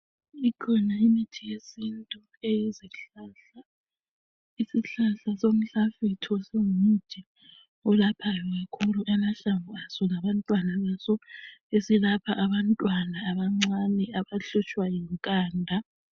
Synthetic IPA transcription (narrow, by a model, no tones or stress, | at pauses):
ikʰɔnaimitʰijesintʼu | ejiziɬaɬa | isiɬaɬasom̩ɬafitʰiɔseŋumud͡ʒ̥ʱʼi | ɔlapʰajɔɣakʰuluʔɛmaɬaŋuasɔlaβantʼwanaβasɔesilapʰaʔaβantʼwanaːβaŋ͡ǀanɛaβaɬut͡ʃʼwajiŋkʼaːndʱa